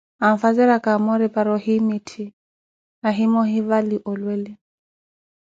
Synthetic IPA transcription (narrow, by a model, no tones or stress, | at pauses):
amfazɛɾakamɔɾɛpaɾɔhimitʰi | naɦimɔɦivaliʔɔlwɛli